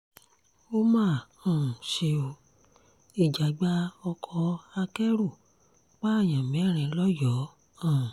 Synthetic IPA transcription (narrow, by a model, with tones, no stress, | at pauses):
o˦mãː˦˨ɔ̃˨ũ˨ʃe˧o˧ | i˦˨d͡ʒa˨ɡ͡ba˦ɔ˧kʰɔ˧a˧kɛ˦ɾu˦˨ | k͡pa˦a˦˨jã˨mĩ˨˦ɛ˦˨ɾ̃ɛ̃˧lɔ˦jɔ˨˦ | ɔ̃˦˨ũ˨